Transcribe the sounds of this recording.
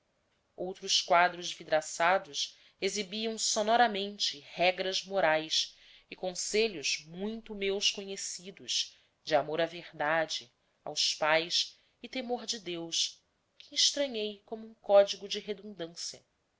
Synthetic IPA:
owt̪ɾʊskwad̪ɾʊzvid̪ɾasad̪ʊʃ | ezibiɐ̃w̃sonɔɾɐmẽnt͡ʃɪhɛɡɾɐzmoɾajs | ɪkõseʎʊzmũj̃t̪ʊmewskoɲesid̪ʊʃ | d͡ʒɪamoɾɐveʁd̪ad͡ʒɪ | a̰wspajs | ɪt̪emoɾd͡ʒɪd̪ews | kʰɪiʃt̪ɾɐ̃ɲejkõmʊũkɔd͡ʒiɡʊd͡ʒɪɦed̪ũd̪ɐ̃siɐ

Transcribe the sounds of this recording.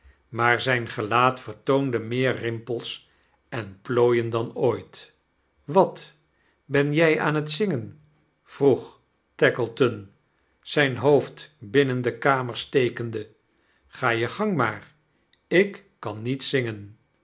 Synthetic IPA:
maːɹzɛjnχəlaːtfəɹtowndəmɪːɹrɪmpəlˠs | ʔɛnploːjəndɑnoːjt | ʋɑt | bɛnjɛja̰ːnɦətsɪŋən | v̥ruχ | tɛkəlˠtɔn | z̥ɛjnɦowftbɪnəndəkaːməɹstejkəndə | χaːjəχɑŋmaːr | ɪkːɑnːitsɪŋən

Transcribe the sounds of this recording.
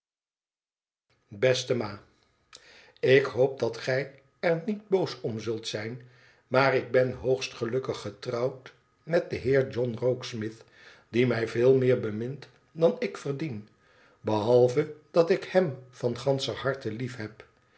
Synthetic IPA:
bɛstəmaː | ɪkɦowp̚dɑtχɛj | ɛɹnid̚bowsɔmzɵlˠtsɛjn | maːrɪɡ̚bɛnɦowχstχəlɵkəχːətrɑwt | mɛt̚dəɦɪːɹd͡ʒɔnrowksmɪθ | d̥imɛjvɪːlˠmɪːɹbəmɪnt | dɑnɪkfəɹdin | bəɦɑlˠvəd̥ɑtɪkhɛmv̥ɑnχɑnsəɦɑɹtəlifɦɛp

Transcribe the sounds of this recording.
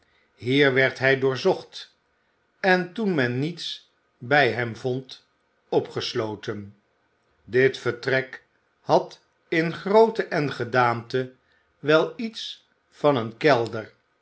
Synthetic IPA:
ɦiːɹʋɛɹtɦɛjdʊːɹzɔχt | ɛntunmɛnːits | bɛjɦɛmvɔnt | ɔpχəslowtən | dɪtfəɹtrɛk | hɑt | ɪnχrowtəʔɛnχədaːmtə | ʋɛlˠits | fɑnənkɛlˠdəɹ

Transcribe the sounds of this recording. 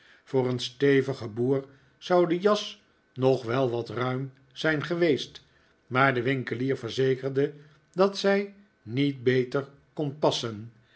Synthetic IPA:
vʊːrənstejvəχəbuːɹ | z̥awdəjɑs | nɔχʋɛlˠʋɑtrœɥm | z̥ɛjnχəʋejst | maːɹdəʋɪŋkəliːɹvəɹzejkəɹdə | dɑtsɛj | nit̚bejtəɹ | kɔnpɑsən

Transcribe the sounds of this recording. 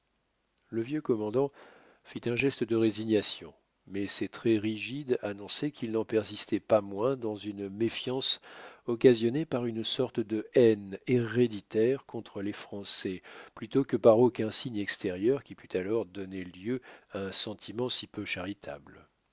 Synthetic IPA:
ləvjøkɔmɑ̃d̪ɑ̃ | fit̪ɛ̃ʒɛst̪əd̪əʁeziɲjasjɔ̃ | mɛsɛt̪χɛʁiʒid̪anɔ̃sɛkʰʲilnɑ̃pɛʁzist̪ɛpamwɛ̃d̪ɑ̃zynmefjɑ̃sɔkazjɔnepaʁynsɔʁt̪d̪əɛneʁed̪it̪ɛʁkɔ̃t̪χəlefχɑ̃sɛplyt̪okəpaʁokʲɛ̃siɲɛkst̪eʁjœʁkʲipyt̪ʰalɔʁd̪ɔneljøaɛ̃sɑ̃t̪ʰimɑ̃sipøʃaʁit̪ʰa̰bl

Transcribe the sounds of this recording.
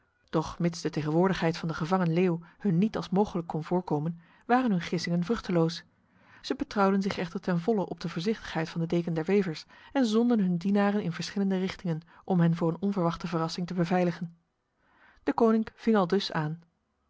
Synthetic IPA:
d̥ɔχmɪtsdəteχənʋʊːɹdəχɦɛjtfɑndəχəvɑŋənleːwhɵnːitɑlˠsmowχələkːɔnvʊːɹkowmən | ʋaːrənɦɵnχɪsɪŋənvrɵχtəlows | z̥əbətrɑwdənzɪχɛχtəɹtɛnvɔləʔɔb̚dəvʊːɹzɪχtə̥χɦɛjtfɑndədejkəndɛɹʋejvəɹsɛnzɔndənɦɵndinaːrənɪnvəɹsχɪləndərɪχtɪŋən | ʔɔmɦɛnvʊːɹənɔnvəɹʋɑχtəvərɑsɪŋtəbəvɛjləχən | d̥əkownɪŋv̥ɪŋɑlˠdɵsaːn

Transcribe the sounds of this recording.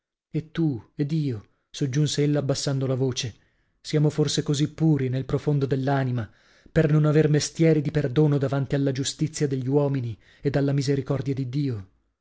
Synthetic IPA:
et̪ːued̪ːiːo | sod͡ʒːunseelːaːbːasːand̪olavoːt͡ʃe | sjaːmoforsekozipːuːɾinelpɾofond̪od̪elːanima | pernonavermest̪jɛːɾid̪iperd̪oːnod̪avant̪ialːad͡ʒust̪it̪sːjad̪eʎːiwɔːmini | ed̪alːamizeɾikɔrd̪jad̪id̪iːo

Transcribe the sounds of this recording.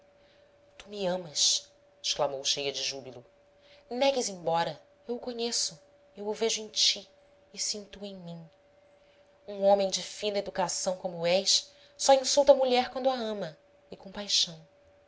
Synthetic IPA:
t̪umɪɐ̃mɐʃ | ɪʃklamowʃejɐd͡ʒɪʒubilʊ | nɛɡɪzẽj̃bɔɾɐ | ewʊkoɲesʊ | ewʊveʒʊẽj̃t͡ʃi | ɪsĩnt̪uẽj̃mĩ | ũõmẽj̃d͡ʒɪfĩnɐed̪ukasɐ̃w̃kõmʊɛʃ | sɔĩsuwt̪ɐmuʎɛɾkwɐ̃nd̪ʊaɐ̃mɐ | ɪkõpajʃɐ̃w̃

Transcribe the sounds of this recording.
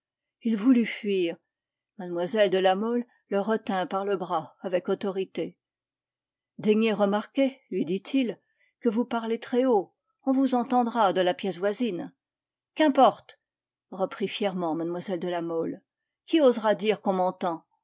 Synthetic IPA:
ilvulyfɥiːʁ | mad̪mwazɛld̪əlamɔlː | əʁət̪ɛ̃paʁləbʁaavɛkɔt̪ɔʁit̪e | d̪ɛɲeʁəmaʁkʲelɥid̪it̪ʰil | kəvupaʁlet̪χɛo | ɔ̃vuzɑ̃t̪ɑ̃d̪ʁad̪əlapjɛs̬vwazin | kɛ̃pɔʁt̪ | ʁəpχifjɛʁmɑ̃mad̪mwazɛld̪əlamɔl | kʲiozʁad̪iʁkɔ̃mɑ̃t̪ɑ̃

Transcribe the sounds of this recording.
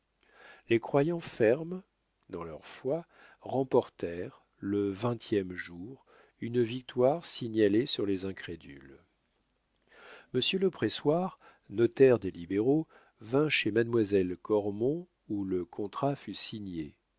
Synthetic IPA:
lekχwajɑ̃fɛʁm | d̪ɑ̃lœʁfwa | ʁɑ̃pɔʁt̪ɛʁ | ləvɛ̃t̪ʰjɛmʒuʁ | ynvik̚t̪waʁsiɲalesyʁlezɛ̃kχed̪y̰l | məsjøləpχeswaʁ | nɔt̪ɛʁd̪elibeʁo | vɛ̃ʃemad̪mwazɛlkɔʁmɔ̃ | uləkʰɔ̃t̪χafysiɲḛ

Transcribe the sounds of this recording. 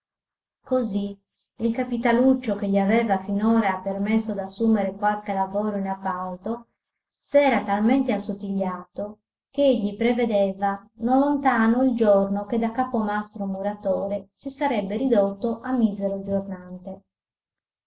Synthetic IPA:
kozi | ilkapit̪alut͡ʃːokeʎːiavɛːvafinɔːɾapermesːod̪asːuːmeɾekwalkelavɔːɾoinapːalt̪o | sɛːɾat̪alment̪easːot̪ːiʎːaːt̪o | keeʎːipɾeved̪ɛvanolont̪aːnoild͡ʒornoked̪ːakːapomast̪ɾomuɾat̪oːɾesisaɾɛbːerid̪ot̪ːoʔamːizeɾod͡ʒornant̪e

